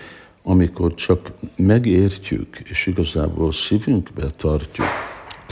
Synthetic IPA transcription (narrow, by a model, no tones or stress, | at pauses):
ɒmiko̞rt͡ʃɒkmɛɡeːrcy̰kʰeːʃiɡɒza̰ːboːlsivyŋkbɛt̪ɒrcṵk